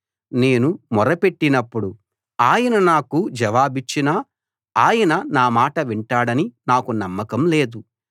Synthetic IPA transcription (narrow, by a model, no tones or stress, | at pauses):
ne̞ːnumɔɾɐpe̞ʈːinɐpːuɽu | aːjɐnɐnaːkud͡ʒɐʋaːbit͡ʃːinaː | aːjɐnɐnaːmaːʈɐʋiɳʈaːɽɐninaːkunɐmːɐkɐmle̞ːd̪u